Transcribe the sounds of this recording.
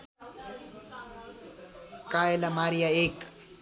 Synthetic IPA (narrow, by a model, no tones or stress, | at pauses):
kaːelamaːɾijaek